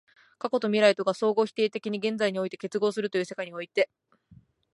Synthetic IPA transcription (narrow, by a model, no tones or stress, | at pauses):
kako̞t̪o̞mʲiɾait̪o̞ɡaso̞ːɡo̞ːçʲi̥t̪e̞ːt̪e̞kʲiɲ̟iɡẽ̞nd͡zaiɲ̟io̞it̪e̞̥ke̞t͡sɨɡo̞ːsɨɾɯ̟t̪ojɯ̟ːse̞kaiɲ̟io̞it̪e̞